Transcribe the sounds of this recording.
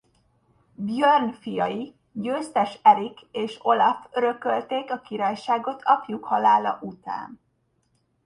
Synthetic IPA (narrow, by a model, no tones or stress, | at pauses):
bjørnfijɒ̰ji | ɟøːst̪ɛʃɛɾikeːʃo̞lɒføɾø̞kølt̪eːkɒkiɾaːjʃaːɡo̞t̪ʰɒpjukhɒlaːlɒ̰ʔut̪a̰ːn